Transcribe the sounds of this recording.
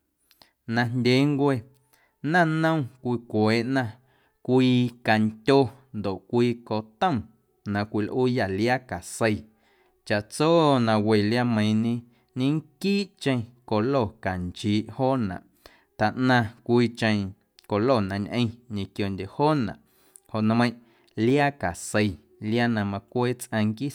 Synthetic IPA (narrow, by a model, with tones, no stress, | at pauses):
nã˧ndʲe˨˦ŋkʷe˧ | nã˦˨nə̃˦˨w̃kʷiː˧kʷeː˨˦ʔnã˧ | kʷiː˧ka˨nt̪ʲo˧nd̪o˨ʔkʷiː˧ko˧t̪ə̃˦˨ | nã˧kʷi˧lʔuː˦ja˨lja˦ka˨sə˧j | t͡ʃa˨ʔt͡soː˦nã˧we˨lja˧mə̃˧j̃ɲẽ˧ | ɲẽ˦ŋ˦kiː˦ʔt͡ʃə̃˧ko˨lo˦˨ka˨nt͡ʃiː˨˦ʔhoː˦nã̰˨ʔ | t̪a˨ʔnã˧kʷiː˧t͡ʃə̃˧ | ko˨lo˦˨nã˧ɲʔə̃˧ɲẽ˨kjo˨ndʲe˨hoː˦nã̰˨ʔ | ho˨ʔn˧mə̃˧j̃ʔ | lja˦ka˨se˧j | lja˦nã˧mã˧kʷeː˦t͡sʔə̃˧ŋkiː˦